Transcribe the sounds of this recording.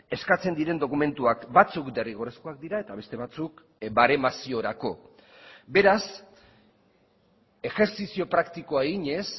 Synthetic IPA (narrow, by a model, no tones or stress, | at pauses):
e̞skat͡se̞nd̪iɾe̞nd̪o̞kume̞nt̪uakbat͡sukd̪e̞riɣ̞o̞resko̞ak̚d̪iɾae̞t̪aβe̞st̪e̞β̞at͡suk | baɾe̞masio̞ɾako̞ | be̞ɾas | e̞xe̞ɾsisio̞pɾakt̪iko̞aeɣiɲe̞s